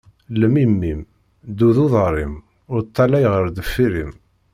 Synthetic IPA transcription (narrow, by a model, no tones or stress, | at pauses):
ləmimːim | d̪uðuðˤəɾˤim | ʊɾt̪ʰˤːɑlæjʁəɾd̪əfːiɾim